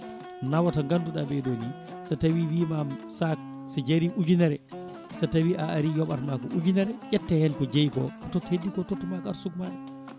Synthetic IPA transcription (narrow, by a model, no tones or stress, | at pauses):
nawataŋɡanduɗabɛɗoni | satawiwiːmamsak̚ | sad͡ʒaɾiʔud͡ʒunɛɾɛ | satawiʔaaɾijɔɓatmakɔʔud͡ʒunɛɾɛʔɛtːɛhɛnkɔd͡ʒejkɔ̰katɔthedːikɔtɔtːumakaɾsukmaɗɛ